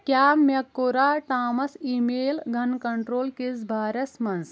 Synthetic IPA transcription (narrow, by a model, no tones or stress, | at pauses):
kʲjaːmɐkːoɾaʈaːmɐsimeːlɡʱɐnkɐɳʈɾoːlkisbʱaːɾɐsmɐns